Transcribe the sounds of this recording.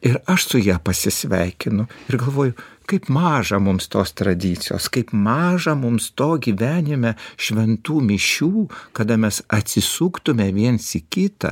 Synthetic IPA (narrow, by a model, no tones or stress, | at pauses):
ɪɾɐʃsʊjiɛpɐsʲɪsʲʋʲɛɪkʲɪnʊɪɾɡɐlˠʋoːjʊkɐɪpmɑːʒɐmʊmst̪oːst̪ɾɐd̪ʲiːt̪sʲɪjo̰ːskɐɪpmɑːʒɐmʊmst̪oːɡʲiːʋʲæːnʲɪmʲɛʃʲʋʲɛnt̪uːmʲɪʃʲuːkɐd̪ɐmʲɛsɐt̪ʲsʲɪsuːkt̪ʊmʲɛʋʲiɛnsɪkʲɪt̪ɐ̰